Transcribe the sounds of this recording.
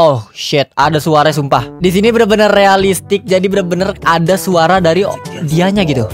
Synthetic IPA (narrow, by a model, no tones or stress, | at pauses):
ohʃɪt̪̚adasuaɾaas̬umpahdis̬inibənabənərːealist̪ɪk̚d͡ʒadibənarbənəradasuaɾadaɾidiaɲaɡit̪u